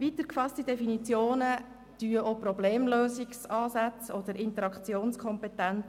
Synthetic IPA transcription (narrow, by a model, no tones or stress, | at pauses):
ʋit̪əɾkfɑstid̥ɛfinit͡sjoːnə | d̥yːəʔopɾɔbleːmløːsiksɑːsat͡sɔd̪̥əɾʔɪnt̪əɾɑkt͡sjoːnskʰɔmpɛtænt͡s